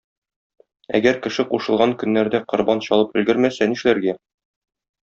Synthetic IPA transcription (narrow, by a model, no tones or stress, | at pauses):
æ̰ɡæɾkɘ̆ʃɘquʃɤ̆lˠʁɑŋkɵ̆nːæɾd̪æqŏɾbɑnɕɒlˠɤpɵ̆lɡɘɾmæsæniʃlæɾɡæ